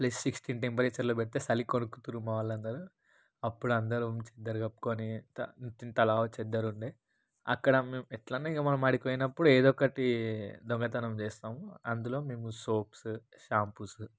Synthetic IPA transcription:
plɐssiksʈinʈempɐɾet͡ʃːɐɾloːpɛʈit̪eːsɐlikonukut̪uɾumaːʋɐlːɐnd̪ɐɾu | ɐpːuɽuɐnd̪ɐɾumt͡ʃɛd̪ːɐɾuɡɐpːu̥koːnit̪ɐt̪int̪ɐlaːot͡ʃɛd̪ːɐɾuɳɖe | ɐ̰kːɐɽɐmeːmuɛʈlɐnuiɡɐmɐnɐmaːɽipoːjinɐpːuɽueːd̪ɔkːɐʈid̪ɔŋɡɐt̪ɐnɐmt͡ʃɛːst̪aːmuɐnd̪ulo̞ːme̞ːmusoːps | ʃaːmpus

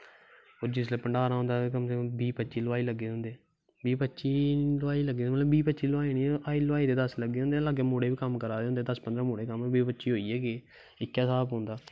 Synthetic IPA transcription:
oːɾd͡ʒɪsleːpəɳɖaːɾaɦõːnd̪aːkəmsebiːpətːʃiːlʊaːiːləɡːeːõːnd̪eː | biːpətːʃiːlʊaːiːləɡːeːmət̪ləbːiːpətːʃiːlaːiːnĩːʔaːiːloaːiːd̪eːd̪əsləɡːeːõnd̪eːlaːɡeːmoːɽeːʋiːkəmkəɾaːd̪eõːnd̪eːd̪əspənd̪ɾãːmoːɽeːkəmbiːpətːʃiːɦoːiːɛːɡeː | ɪkːaːsaːpɦõːnd̪aː

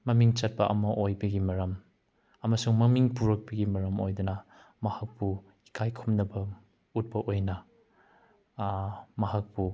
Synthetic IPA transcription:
mɐmiŋt͡ʃɐt̚pɐʔɐmɐʔojbɐɡimɐɾɐm | ɐmɐsuŋmɐmiŋpuɾɐk̚bɐɡimɐɾɐmojdunɐ | mɐhɐk̚pu | i̥kʰajkʰumnɐbɐ | ut̚pɐʔojnɐ | mɐɦak̚pu

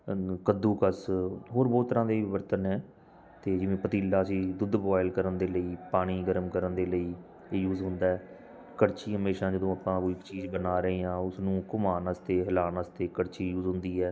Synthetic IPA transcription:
kəd̪ːũːkəsɦoːɾbɔːt̪ːəɾãːd̪eːɪʋəɾt̪ənɛː | t̪eːd͡ʒɪʋẽːpət̪iːlːaːəsĩːd̪ʊd̪boːɪlkəɾənd̪eːləiːpaːɽ̃iːɡəɾəmkəɾənd̪eːləiː | juːzɦʊ̃nd̪aːɛː | kəɽt͡ʃiːɦəmeːʃãːd͡ʒəd̪õːapãːkoːikt͡ʃiːzbənaːɾəeːãːʊsnũːkʊmaːnəst̪eːɦəlaːnəst̪eːkəɽt͡ʃiːjuːzɦʊ̃nd̪iːɛː

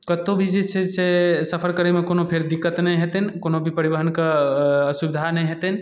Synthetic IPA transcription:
kət̪obʱid͡ʒesesesəpʰəɾkəɾemẽkoːnopʰeɾd̪ikːət̪nɛĩɦet̪eɦnkoːnobʱipəɾibəɦənkasubɪd̪ʱanəĩɦet̪eɦn

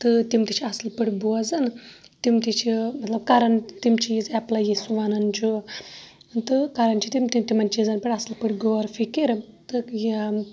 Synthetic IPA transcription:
t̪ɨt̪imt̪it͡ʃʰiɐslpɨɽʲbuɐzɐn | t̪imt̪it͡ʃʰimɐt̪lɐb̚kɐɾɐnt̪imt͡ʃʰizɛplajisuʋɐnɐnt͡ʃʰu | t̪ɨkɐɾɐnt͡ʃʰit̪imt̪it̪imɐnt͡ʃizɐnpʲiɽʲɐslpɨɽʲɡoɾfikiɾt̪ɨji

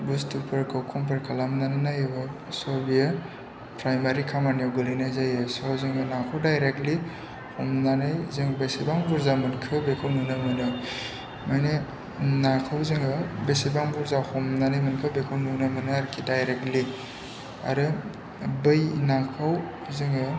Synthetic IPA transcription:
bustupʰɐɾkʰawkʰɔmpʰɐɾkʰalamnannajbɯ | sɔbija | pɾajmaɾikʰamanjawɡɯlinazajɯsɔzeŋɯnakʰawdajɾek̚tli | hɔmnanajzeŋbesibaŋbuɾzamɐnkʰɯbekʰawnunamɯnɯ | majne | nakʰawzɯŋɡɯbesibaŋbuɾzahɔmnanajmɐnkʰɯbekʰawnunamɯnaːɾkʰidajɾek̚tli | a̰ɾɯ | bɯjnakʰaw | zɯŋɡɯ

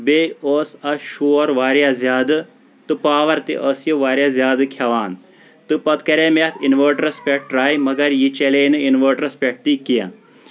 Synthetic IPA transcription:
beoːsɐʃuːɾʋaːɾjaːzʲjaːd̪ɨ | t̪ɨpaːʋɐɾt̪ḛʔəsjɐʋaːɾjaːzʲjaːd̪ɨkʰjɐʋaːn | t̪ɨpɐt̪kɐɾeːmeːt̪ʰinʋəːʈɾɐspʲeʈ̚ɾaːjmɐɡɐɾjit͡ʃeleːnɨinʋəːʈɾɐspʲeʈ̚ʰt̪ikijã̰

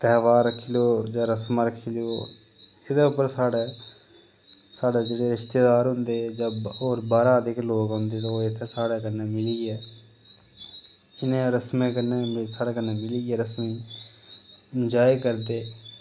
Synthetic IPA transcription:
t̪ɛːʋaːɾːəkʰːiloːd͡ʒaːɾəsmaɾəkʰiːljoː | ɪd̪eːʊpəɾsaːɽeː | saːɽeːd͡ʒəɽeːɾɪʃt̪eːd̪aːɾɦʊ̃nd̪eːd͡ʒaoːɾbaːɾaːd̪ɪkloːɡɦʊ̃nd̪eːt̪aːoːɪt̪ʰːeːsaːɽeːkənːeːmɪliːɡɛː | ɪnẽɾəsmẽːkənːeːsaːɽeːkənːeːmɪliːɡɛːɾəsmiː | d͡ʒaːikəɾd̪eː

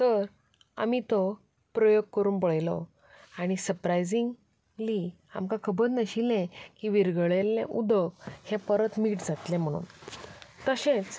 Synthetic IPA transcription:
t̪əɾ | a̰mit̪ɔ | pɾɔjoɡ̚kəɾuːnpəɭjlɔ̰ | aɽ̃isəɾpɾajd͡ziŋɡ | li | a̰mkakʰəbəɾnəɕilɛ̃kiːʋiɾɡɭelːḛ̃ʔud̪ʱəkhɛ̃pəɾət̪miːʈd͡zat̪lɛ̃m̤əɽ̃ṵːn | t̪əɕẽt͡s

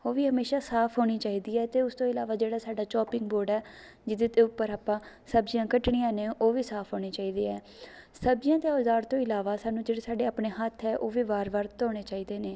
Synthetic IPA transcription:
oːʋiːɦəmeːʃaːsaːpʰɦoːɽ̃iːt͡ʃaːiːd̪iːɛːt̪eːʊst̪õːɪlaːʋaːd͡ʒeːɽaːsaːɖaːt͡ʃɔːpɪ̃ŋɡboːɾɖɛː | d͡ʒɪd̪eːt̪eːʊpːəɾaːpãːsəbd͡ʒɪjãːkəʈɳiːjãːnẽːoːʋiːsaːpʰɦoːɽeːt͡ʃaːiːd̪eːɛː | səb̚d͡ʒɪjãːt̪eoːd̪aːɾt̪õːɪlaːʋaːsaːnũːd͡ʒeːɽeːsaːɖeːaːpɳeːɦət̪ʰːɛːʔoːʋiːbaːɾbaːɾt̪oːɽ̃eːt͡ʃaːiːd̪eːneː

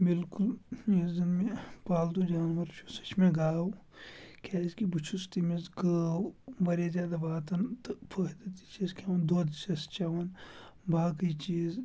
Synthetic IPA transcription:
bɪlkuljezinmepaːld̪ud͡ʒaːnʋɐɾt͡ʃʰusɐ̥t͡ʃʰmẽɡaːw | kʲʰaːzkibut͡ʃʰust̪imezɡəːwʋɐɾezʲjaːd̪abaːt̪ɐnt̪pʰəːd̪ɐt̪i̥t͡ʃizkʰʲaʋɐnd̪oːd̪t͡ʃɐst͡ʃaʋɐn | baːkit͡ʃiːz

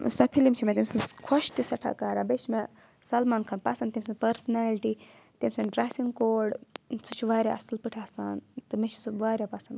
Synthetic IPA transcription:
sɐpʰilimt͡ʃʰimet̪imsɨnkʰɐʃt̪isɐʈʰa̰ːkaːɾabet͡ʃʰme | sɐlmaːnkʰɐnpasɐnt̪imsɨnpɐɾsɐnaːliʈi | t̪imsɐnɖɾasiŋɡkoːɖt͡sʰɨt͡ʃʰuʋaːɾʲja̰ɐsɨlpɨʈʰaːsaːnt̪ɨmet͡ʃʰi̥sɨʋaːɾʲjapɐsɐn

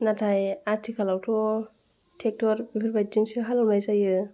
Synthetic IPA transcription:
natʰajatʰikʰalawtʰɔ | tʰek̚tʰɔɾbipʰiɾbajt̚zɯŋsɯɦalawnajzajɯ

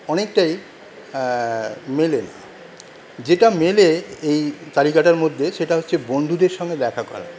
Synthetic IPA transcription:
ɔnek̚ʈaj | melena̰ | d͡ʑeʈameleejt̪alikaʈaɾmod̪ʱːeʃeʈaɦotːɕʰebond̪ʱud̪eɾʃɔŋɡed̪ɛkʰakɔ̰ɾa̰

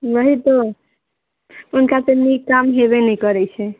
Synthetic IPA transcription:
bəɦit̪o | unkat̪enikamɦeβɛnɛkəɾɛt͡ʃʰɛ

